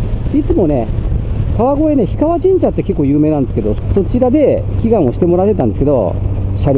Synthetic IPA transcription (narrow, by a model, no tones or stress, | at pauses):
it͡sɨmo̞ne̞kaβaɡo̞e̞ne̞çi̥kaβad͡ʑĩɲ̟d͡ʑat̪ːe̞kekːo̞ːjɯːme̞ːnãnd̪esɨ̥keo̞so̞t͡ɕiɾad̪e̞kʲiɡãɰ̃o̞ɕi̥t̪e̞mo̞ɾat̪ːet̪ãnd̪esɨked̪o̞̰ɕaɾʲ